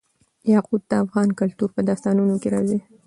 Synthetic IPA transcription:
jɑqud̪̚d̪aafɣɑnkalt̪uɾpəd̪ɑst̪ɑnunokeɾɑzi

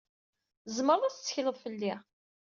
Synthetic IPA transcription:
zməɾˤðˤæt͡sə̥t͡sːə̥çləðˤfəlːi

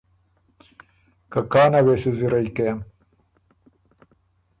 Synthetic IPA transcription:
kakaːnawesuziɾajkejm

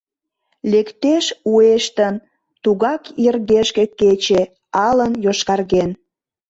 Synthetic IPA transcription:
lekt̪eʃueʃt̪ən | t̪uɣɑkirɣeʃkeket͡ɕe | ɑlənjoʃkɑrɣen

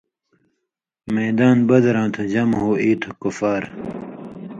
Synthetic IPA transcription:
meːd̪aːnbɐd̪ɾãːt̪ʰod͡ʑɐmɦoːiːt̪ʰokufaːɾ

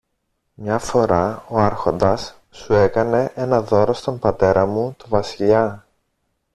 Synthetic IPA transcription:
mɲɐfo̞ɾɐo̞ɐɾxo̞nd̪ɐsː | ue̞kɐne̞ʔe̞nɐðo̞ɾost̪o̞mbɐt̪e̞ɾɐmut̪uvɐsiʎɐ

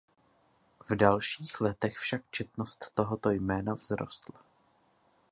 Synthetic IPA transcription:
vdalʃiːxlɛt̪ɛxfʃak̚t͡ʃɛt̪̚nost̪ːo̞ɦot̪o̞jmɛːnavzɾo̞̰st̪la

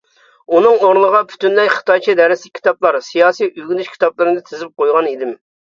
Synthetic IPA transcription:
unɨŋoɾlˠəʁɑpʰy̥t̪ynlɛjʲχə̥t̪ʰɑjt͡ʃʰid̪ɛɾɪslɪkʲʰːi̥t̪ɑplˠɑɾsijɑːsijʔyɡʲinyʃkʲʰi̥t̪ɑplˠɨɾɨd̪ɨt̪ʰɪzɪp̚qojʁɑnid̪ɪm

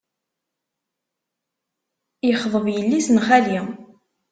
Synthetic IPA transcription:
jəχðˤəvjəlːisənχæli

